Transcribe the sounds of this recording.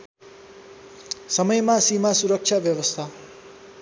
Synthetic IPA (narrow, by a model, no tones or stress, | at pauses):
sʌmʌjmasimasuɾʌk̚t͡ʃʰabjʌwʌst̪ʰa